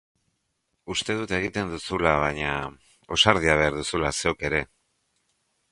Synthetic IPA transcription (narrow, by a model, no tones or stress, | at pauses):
ust̪e̞ð̞ut̪e̞ɣ̞it̪e̞nd̪usulaβ̞aɲa | o̞saɾð̞iaβ̞e̞aɾðusulase̞oke̞ɾe̞